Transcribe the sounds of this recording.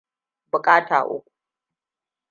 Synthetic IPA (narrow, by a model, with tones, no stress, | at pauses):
bʊ˨kʼaː˦ta̰ː˨ʔʊ̰˦kʷu̥˨